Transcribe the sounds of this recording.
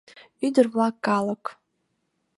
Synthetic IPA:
idɨrakːalakʼ

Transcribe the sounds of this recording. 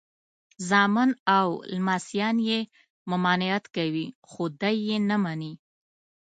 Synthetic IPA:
zɑmɪnawlmasijɑnje | mʊmɑnɪjat̪kawixod̪ajːenamani

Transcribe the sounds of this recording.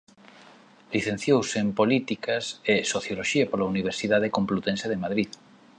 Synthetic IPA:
liθẽn̟θjowsempolit̪ikasesoθjoloʃiapolauniβ̞eɾsiðaðekõmplut̪ẽnseðemaðɾið

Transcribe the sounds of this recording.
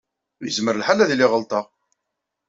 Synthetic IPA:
jəzməɾəlħalæðliʁəlt̪ˤɑ

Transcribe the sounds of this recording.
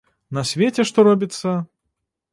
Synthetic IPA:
nɐsʲvʲetʲɛʂt̪ɔɾɔbʲit̪sːɐ

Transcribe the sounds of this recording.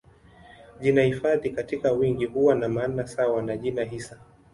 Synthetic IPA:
ʄinahifaðikatikawiŋɡihuwanamaːnasawanaʄinaɦisa

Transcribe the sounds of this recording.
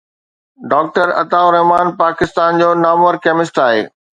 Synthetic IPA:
ɖaːk̚ʈəɾɐ̰t̪aːʊɾɐɦmaːnpaːkɪst̪aːnd͡ʑoːnaːmoəɾkɛːmɪsʈaːɦeː

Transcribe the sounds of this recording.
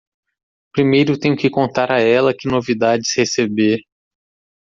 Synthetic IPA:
pɾimejɾʊt̪ẽɲ̃ʊkɪkõnt̪aɾaɛlɐkɪnovid̪ad͡ʒɪshesebe

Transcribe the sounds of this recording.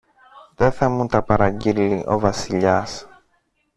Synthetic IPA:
ðe̞θɐmunt̪ɐpɐɾɐɟiliʔo̞̰vɐsiʎɐs

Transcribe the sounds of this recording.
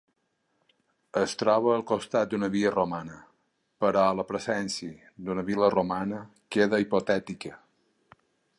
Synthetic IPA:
əst̪ɾɔβəːlˠkost̪at̪̚d̪unəβiəromanə | pəɾɔləpɾəzɛnsii | d̪unəβiləromanə | keðəipot̪ɛt̪ikə

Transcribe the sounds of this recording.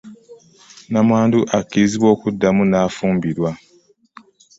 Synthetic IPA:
namwaːnduʔakːiziβwo̞ːkudːamunaːfuːmbiɾwa

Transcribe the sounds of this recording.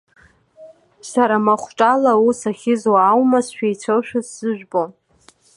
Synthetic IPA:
saɾamaχʷʈ͡ʂʼalausaχʲɪzwaːwmasʃᶣejt͡ɕʷʰalʃᶣʊzz̥ɨʒᶣbʼo

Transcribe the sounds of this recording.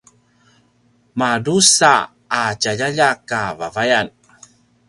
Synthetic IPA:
madusaː | caʎaʎakavavajan

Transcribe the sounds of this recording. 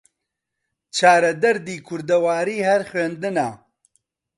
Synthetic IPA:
t͡ʃʰaːɾɐd̪ɐɾd̪iːkʰʊɾd̪ɐwaːɾiːhɐɾxweːnd̪ɨnaː

